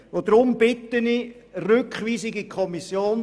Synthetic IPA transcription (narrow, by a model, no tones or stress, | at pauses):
ʋod̪ɾʊmb̥ɪtəni | rʏkχʋiːsɪɡikʰɔmisjoːn